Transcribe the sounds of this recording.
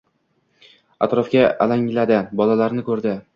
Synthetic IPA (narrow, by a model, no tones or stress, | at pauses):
a̰t̪ɾɒfkʲaʔa̰laŋlad̪ɪbɒlalaɾnɪkʰɵɾd̪ɪ